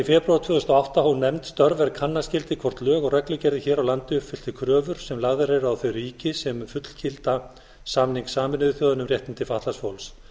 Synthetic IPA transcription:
ifɛːpɾaɾt̪ʰvʏːðʏst̪ɔawht̪ahunːɛmt̪st̪œɾvɛɾkʰanːascɪlt̪ɪkʰvɔɾ̥t̪lœːɣɔɣrɛklʏcɛɾðɪçɛːɾawlant̪ɪʏpfɪl̥t̪ɪkʰɾœːvʏɾ̥sɛmlaɣðɪɾɛɾʏawθœɥriːcɪsɛmfʏt̪l̥cʰɪlt̪a | saːmniŋksaːmɪnɪðʏθɔːðanʏmrjɛht̪ɪnt̪ɪfaht̪lasfowls

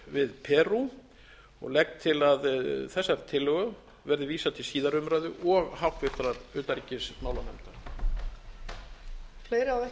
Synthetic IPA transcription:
vɪðpʰɛːru | ɔ̰ɣlɛk̚t̪ʰɪlaðθɛsːaɾ̥t̪ʰɪlːʏɣʏ | vɛɾðɪviːsat̪ʰɪlsiːðaɾʏmɾajðʏʔɔɣhawt̪vɪɾ̥t̪ɾaɾʏːt̪aɾicɪsmaːwlanɛ̰mt̪aɾ̥ | fleːjɾɪawɛ

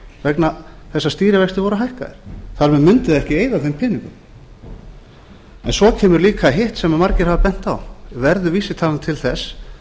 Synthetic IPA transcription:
vɛkna | θɛsːast̪iːɾɪvɛjst̪ɪvɔɾʏɦajhka̰ðɪ̰ɾ̥θaɾmɛðmʏnt̪ɪðɛhcɪeːjðaθejmpʰɪːniŋkʏm | ɛ̰nsɔcʰɛːmʏɾliːkʰaɦɪht̪sɛmamaɾcɪɾ̥havapɛn̥t̪a̰wvɛɾðʏviːsɪt̪ʰaːlant̪ʰɪlθɛs

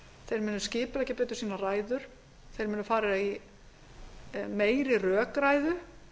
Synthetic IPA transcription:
θejɾmɛːnːʏscɪːpɪlɛhcɪpɛːt̪ʏ̥siːnaraːjðʏɾ̥ | θejɾmɛːnʏfaːɾɪɾai | meːjɾɪrœːkɾaːjðʏ

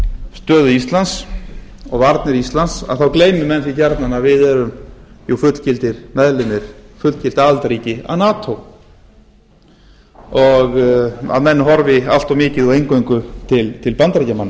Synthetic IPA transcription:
st̪œːðʏist̪lans | ɔɣvaɾt̪nɪɾist̪lansa̰ðθawkleːjmʏmɛnːθɾicaɾt̪nanavɪðɛɾʏmjuwfʏt̪l̥cɪlt̪ɪɾ̥mɛðlɪnːɪɾ̥fʏt̪l̥cɪl̥t̪alt̪aɾiːcɪa̰ðnaːt̪ʰow | ɔɣa̰ðmɛnːɦɔɾvɪa̰l̥t̪ɔmɪːcɪðuejŋkojŋkʏt̪ʰɪlt̪ʰɪlpant̪ɾacamanːa

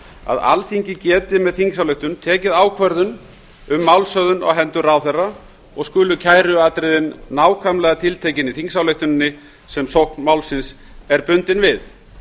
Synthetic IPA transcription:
a̰ða̰lθiɲcɪcɛːt̪ɪmɛðθiŋks̬awleht̪ʏnt̪ʰɛːcɪðaːwkʰvɛɾðʏn | ʏmːawlsœðʏna̰wɦɛnt̪ʏraːwθɛra | ɔɣskʏːlʏcʰaːjɾʏaːt̪ɾɪðɪnːaːwkʰvamlɛːɣat̪ʰɪlt̪ʰeːjcɪniθiŋksawlejht̪ʏnnːɪ | sɛmsowhknmaːwlsɪns | ɛɾpʏnt̪ɪnvɪð

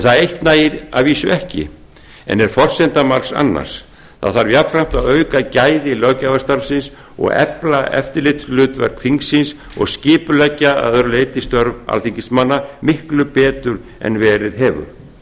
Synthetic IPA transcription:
ɛnθaðejht̪naːjɪɾa̰ðviːsʏɛhcɪ̰ | ɛ̰nɛɾ̥fɔr̥sɛnt̪amaɾsa̰nːa̰ɾ̥s | θa̰ðθaɾvjapfɾajm̥t̪aðœːɥkacaːjðɪlœcavast̪aɾfsɪns | ɔ̰ɣɛ̰plaʔɛ̰ft̪ɪɾlɪht̪lʏːt̪vɛ̰ɾ̚kʰɾiŋksɪns | ɔ̰ɣscɪːpʏlɛcːaa̰ðœɾleːjt̪ist̪œɾva̰lθiŋcɪsmanːamɪhklʏpɛːt̪ʏɾ | ɛ̰nvɛːɾɪðɦɛːvʏ̰ɾ̥

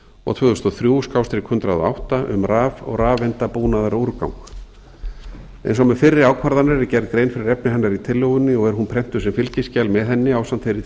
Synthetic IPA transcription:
ɔ̰ɣt̪ʰœðʏst̪ɔθɾjuːskawst̪ɾɪkʰhʏnt̪ɾaðɔ̰a̰wht̪aʔʏ̰mraːvɔ̰ɣraːvɪnt̪apuːnaðaɾauɾka̰wŋk | ɛ̰jnsɔmɛfɪrːɪɾaːwkʰaɾðanaɾcɛɾðkɾeːjnfɪɾɪɾɛpnɪɦɛnːaɾit̪ʰɪlːɔwʏnːɪɔɣɛɾ̥ɦunpʰɾɛm̥t̪ʏsɛmfɪlcɪscɛːlmɛðɛnːɪaːwsant̪fejɾɪ

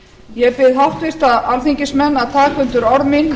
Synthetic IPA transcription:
jɛpɪðɦaft̪vɪr̥t̪aalθiɲcɪsmɛnːaðt̪ʰaːkʰvʏnt̪ʏɾɔɾðmin

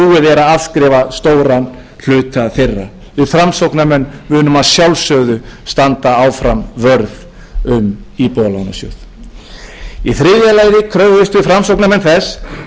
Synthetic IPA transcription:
uːɪðɛɾaðafskɾɛːvast̪oːwɾan | l̥ʏːt̪aθerːa̰ | vɪfɾamsowknamɛnːvʏːnʏmaðsjawlsœɣðʏst̪ant̪aaːwfɾamvœɾð | ʏm | ipɔlana̰sjœ̰θ | iθɾɪːðjalaːjðɪkʰɾœɣðɪst̪vɪfɾamsowknamɛnθɛs

